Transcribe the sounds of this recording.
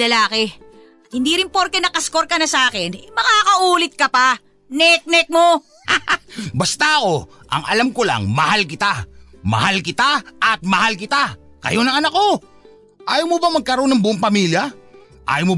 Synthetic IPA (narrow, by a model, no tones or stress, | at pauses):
lɐlaːkɪ | ɐt̪hɪnd̪iɾɪnpoɾk̪ɛnɐkɐskoɾkɐnɐsʔaːkɛnɛmɐkaːkɐʔuːlɪt̪̚kɐpa | nɛk̚nɛk̚mo | bɐst̪aʔɐko̞ʔɐ̰ŋɐlamkola̰ŋmɐhalkɪt̪amɐ̰halkɪt̪aʔɐt̪̚mɐhalkɪt̪a | kɐ̰jo̞nɐŋɐnɐkːo̞ | ʔaːjomobɐmɐɡ̚kɐɾo̞nːɐŋbʊʔoŋpɐmiːljɐ | ʔa̰ːjomo